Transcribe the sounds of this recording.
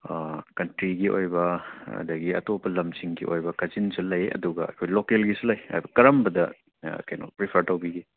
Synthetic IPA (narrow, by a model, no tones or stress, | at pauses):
kɐntɾiɡiʔo̰jbɐɐ̰dɐɡiɐ̰topɐlɐmsiŋɡḭʔojbɐkɐzinsulɐjɐ̰duɡɐɐ̰kʰojlokelɡisulɐjɐ̰jbɐkɐɾɐmbɐdɐ | kɐjno̰pɾipʰɐɾtɐwbiɡi